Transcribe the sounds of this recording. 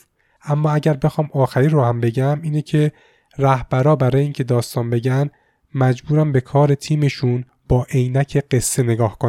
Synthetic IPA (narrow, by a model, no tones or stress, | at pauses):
ʔæmːɒːæɟæɾbe̞xɒːmɒːxæɾiːɾohæmbe̞ɟæmiːnecʰe | ræhb̥æɾɒːbæɾɒːjeiːŋcʰe̞d̪ɒːst̪ɒːnbe̞ɟæn | mæd͡ʒbuːɾæmbe̞kʰɒːɾe̞t̪ʰiːme̞ʃun | b̥ɒːʔe̞jnæcʰe̞ɢe̞sːe̞ne̞ɡɒːhkʰon